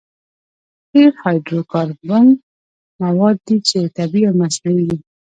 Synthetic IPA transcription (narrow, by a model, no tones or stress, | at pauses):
heɾhɑjdɾokɑɾban | mawɑd̪ːit͡ʃet̪abiawmasnawiɡ̪i